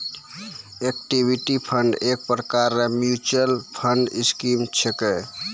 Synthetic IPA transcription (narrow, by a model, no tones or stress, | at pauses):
ekʈibʱiʈipʰəɳɖek̚pɾəkaɾːemjut͡ʃəlpʰəɳɖiskimt͡ʃʰekɛ